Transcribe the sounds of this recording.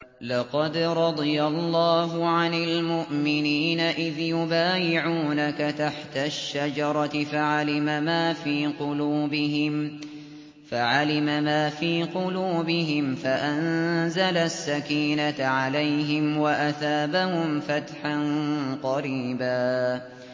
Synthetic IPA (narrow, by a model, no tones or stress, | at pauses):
lɑqɑd̪ɾˤɑd̪ˤɨjalˤːɑːɦʊʕanalmʊʔmɪniːnaʔɪðjʊbaːjɪʕuːnakat̪aħt̪aʃːad͡ʒɑɾˤɑt̪ɪfaʕalɪmamaːfiːqʊluːbɪɦɪm | faʕalɪmamaːfiːqʊluːbɪɦɪmfaʔanzalasːakiːnaʕalajɦɪmwaʔaθaːbahʊmfat̪ħanqɑɾiːbaː